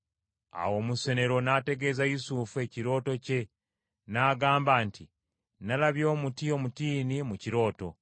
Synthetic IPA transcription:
a̰wo̞ːmuse̞ne̞ɾo̞nate̞ɡe̞ːzajusufue̞ciɾo̞ːto̞ce̞ | naːɡaːmbaːnti | nalaβjo̞ːmutio̞mutiːnimuciɾo̞ːto̞̰

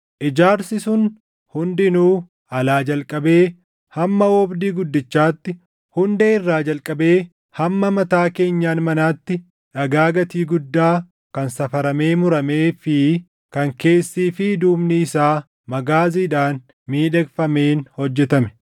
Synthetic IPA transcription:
ʔɪd͡ʒaːɾsɪsʊn | hʊnd̪ɪnuː | ɐlaːd͡ʒɐlkʼɐbe̞ː | hɐmːɐwɔbd̪iːɡʊd̪ːɪt͡ʃːaːt̪ːɪ | hʊnd̪eːɪrːaːd͡ʒɐlkʼɐbe̞ː | hɐmːɐmɐt̪aːke̞ːɲːaːnmɐnaːt̪ːɪ | ᶑɐɡaːɡɐt̪iːɡʊd̪ːaː | kɐnsɐfɐɾɐme̞ːmʊɾɐme̞ːfɪ | kɐŋke̞ːsːiːfɪd̪uːmniːsaː | mɐɡaːziːᶑaːn | miːᶑɛɡfɐme̞ːnhɔd͡ʒːɛt̪ɐmɛ̥

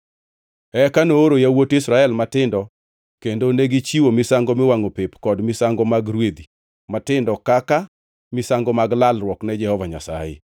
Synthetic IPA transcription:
ɛkanoːɾojawotɪsɾaɛlmatɪndɔ | kendoneɡit͡ʃiwomɪsaŋɡɔmɪwaŋopepkɔdmɪsaŋɡɔmaɡɾwed̪i | matɪndɔkaka | mɪsaŋɡɔmaɡlalrwɔknɛd͡ʒɛhɔvaɲa̰sa̰jɪ̰

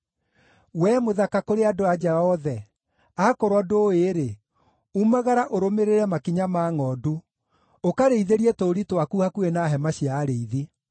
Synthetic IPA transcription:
wɛmoðakakoɾeadoad͡ʒɛɔðɛ | akoɾwɔdoːeɾe | umaɣaɾaʔoɾomeɾeɾɛmakiɲamaːŋɔdu | okaɾeiðeɾiɛtoːɾitwakuhakuenaɦɛmaɕjaːɾeiði

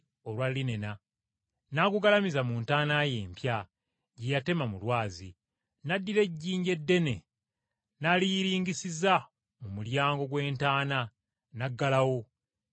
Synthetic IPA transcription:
olwalːine̞na | nakuɡalamizamuːntaːnaje̞ːmpja | ɟejate̞mamulwaːzḭ | nadːiɾe̞ɟːiːɲɟe̞dːe̞ne̞̰ | naliɾiːŋɡisiza | mumuljaːŋɡo̞ɡwe̞ːntaːna | naɡːalawo̞

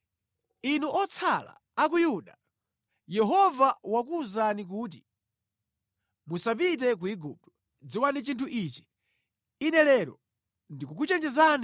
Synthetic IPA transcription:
inuʔɔt͡sʰala̰ːk̬ujuɗa | jɛɦɔvawak̬uzanik̬uːt̬i | musap̬it̬ɛk̬uiɡup̚tɔ̥ | d͡ziwanit͡ʃintʰuʔiːt͡ʃi̥ | inɛlɛɾɔ | ndikuk̬ut͡ʃɛnd͡ʒɛzani

